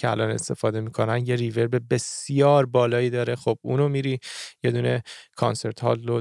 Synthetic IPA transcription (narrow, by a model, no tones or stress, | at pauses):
eælɒːne̞̰st̪e̞fɒːd̪e̞miːkʰo̞nænjeɾive̞ɾbebe̞sjɒːɾbɒːlɒːjiːd̪ɒːɾe̞xob̥̚uːnomiːɾiːje̞d̪uːne̞kʰɒnse̞ɾt̪ʰhɒ̰ːlːo